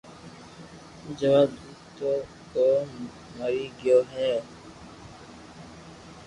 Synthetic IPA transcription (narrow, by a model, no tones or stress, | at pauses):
d͡ʒəʋaːd̪uː | t̪o | koː | məɾiːɡɪjoːɦɛː